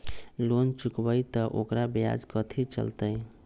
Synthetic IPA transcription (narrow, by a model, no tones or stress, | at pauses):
lont͡ʃukbəjt̪əʔokɾabja̰d͡ʒkət̪ʰit͡ʃə̰lt̪əj